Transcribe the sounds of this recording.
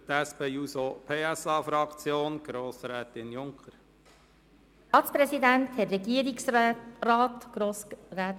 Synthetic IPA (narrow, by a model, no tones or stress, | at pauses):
t̪æspeːusopʰeːæsɑːfɾɑkt͡sjoːnɡ̥ɾoːsɾɛːt̪ɪnjʊŋkχəɾ | ɑtspɾɛsidænt̪hɛtɾɛɡiəɾiksrɑːt̪ɡ̥ɾoːsɾæːt